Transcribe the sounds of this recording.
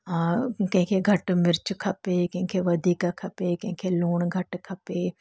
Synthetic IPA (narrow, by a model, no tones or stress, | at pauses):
kɐ̃kʰeɡʱɐʈmɪɾt͡ʃkʰɐpekẽːkʰeʋɐd̪ʱiːkakʰɐpekɐ̃ːkʰeloːɳɡʱɐʈkʰɐpeː